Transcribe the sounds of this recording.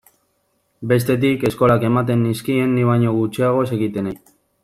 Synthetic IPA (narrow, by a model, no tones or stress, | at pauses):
be̞s̬t̪e̞t̪̬ike̞sko̞lake̞mat̪e̞nːiskie̞nːiβ̞aɲo̞ɣut͡ʃiaɣ̞o̞s̬e̞ɣit̪e̞nej